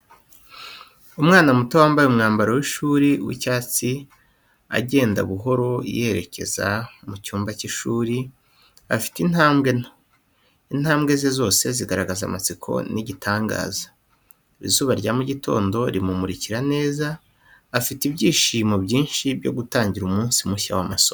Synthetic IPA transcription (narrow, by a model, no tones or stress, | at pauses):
umŋaːnamutowaːmbajumŋaːmbaɾowiʃuːɾiwḭcaːt͡si | a̰ɟe̞ːnda̰βuɦo̞ɾo̞jeeɾe̞̰cʰe̞̰za̰mucuːmbaciʃuːɾi | afi̥tin̥haːmbɡe̞no | in̥haːmbɡe̞zezo̞ːse̞ziɡaɾaɡaza̰mat͡sikʰo̞̰niɟitʰaːŋɡa̰ːzḁ | ɾḭzuːβaɾɟaːmuɟitʰo̞̰ːndo̞ɾimumuɾiciɾane̞ːzaː | fitibɟiːʃimobɟiːnʃibɟo̞̰ɡutaːɲɟiɾumuːnsimuʃa̰wamaso